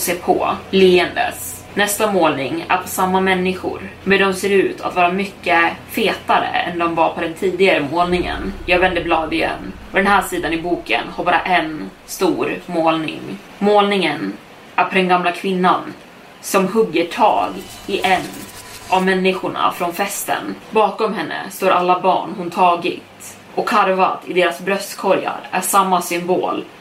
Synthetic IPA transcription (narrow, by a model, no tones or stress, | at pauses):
seːpʰɔ̰liːənd̪ə̰s | nɛst̪amoːlnɪŋæ̰ɾpʰɔsamːamɛnːɪɧʊ̰ɾmɛɖ̪ɔmseːɾʉ̟ːt̪ʰa̰t̪vɑːɾamʏkːəfeːt̪aɾə̰ɛ̰nd̪ɔmvaɾpʰɔd̪ɛnt̪ʰiːd̪ɪɡaɾəmoːlnɪŋə̰njɑːɡvɛnd̪əblɑːd̪ɪjɛ̰nː | ɔd̪ɛnɦæːʂiːd̪anɪbuːkə̰nhaɾbɑːɾa̰ʔɛn | st̪uːɾmoːlnɪ̰ŋ | moːlnɪŋən | ʔæɾpʰɔd̪ɛnɡamlakʰvɪnːan | sɔmɦɵɡːəʈʰɑ̰ːɡ | ɪʔɛnːʔavmɛnːɪɧʊɳa̰fɾɔnfɛst̪ə̰nbɑːkɔmɦɛnːə̰st̪oːɾʔa̰lːabɑ̰ːɳhʊnt̪ʰɑːɡɪ̰t̪ | ʔɔkʰːaɾva̰t̪ɪd̪eːɾasbɾœst̪kʰɔɾja̰ɾæʂamːasʏmbo̰ːl